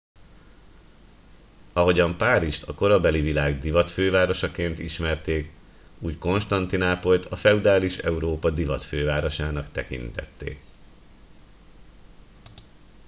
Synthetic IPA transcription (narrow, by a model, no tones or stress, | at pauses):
ɒɦo̞ɟɒmpaːɾiʃt̪ɒko̞ɾɒbɛlivilaːɡd̪ivɒt̪føːvaːɾo̞ʃɒkeːnt̪ḭʃmɛrt̪eːk | uːcko̞nʃt̪ɒnt̪inaːpo̞lt̪ɒfɛud̪aːliʃɛ̰uɾoːpɒd̪ivɒt̪føːvaːɾo̞ʃaːnɒkt̪ɛkḭnt̪ɛ̰t̪ːḛːk